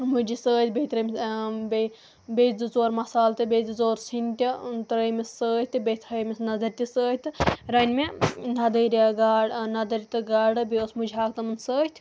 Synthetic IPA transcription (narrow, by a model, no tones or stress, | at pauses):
mud͡ʒisəːt̪ʲbejt̪ɾɐmʲbe | beːd͡zɨt͡soːɾmɐsaːlt̪ɨbeːd͡zɨt͡soːɾsʰinʲt̪ʲint̪ɾəjmesəːt̪ʲbet̪ʰɐjmɐsnɐzɐɾʲt̪isəːɦʲt̪ɨɾɐnʲmenɐd̪əːɾʲɡanɐd̪ɐɾit̪ɨɡaːɖɨbeːsmud͡ʒiɦaːkt̪ɐmɐnsəːt̪ʰ